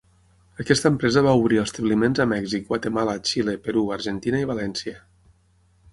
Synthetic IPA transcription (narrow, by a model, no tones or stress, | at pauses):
əkɛst̪əmpɾɛzəβauβ̞ɾiəst̪əβlimenzəmɛɡzik̚bwat̪emalat͡ʃilepeɾuaɾʒent̪inəiβalɛnsjə